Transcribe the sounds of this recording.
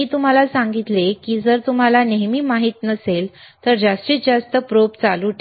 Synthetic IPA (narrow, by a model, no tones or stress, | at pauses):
iːt̪um̤alasãŋɡit̪lekiːd͡zəɾt̪um̤alaneɦmiːmaɦiːt̪nəsel | t̪əɾd͡zast̪iːt͡sd͡zast̪əpɾop̚t͡saluʈ̪